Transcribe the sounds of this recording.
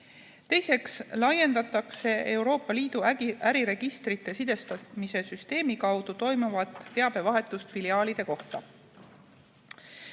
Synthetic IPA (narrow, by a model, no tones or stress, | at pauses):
t̪e̞jse̞kslɑje̞nd̪ɑt̪ːˑɑkse̞e̞wɾo̞ːpːˑɑliːd̪̥uʔæɾiɾe̞ɡ̥ist̪rit̪ˑːe̞sid̪̥e̞st̪ɑmise̞syst̪e̞ːmikɑwd̪̥ut̪o̞jmuvɑt̪ːe̞ɑb̥e̞vɑɦe̞t̪ːˑust̪filiɑːlid̪̥e̞ko̞ht̪ɑ̰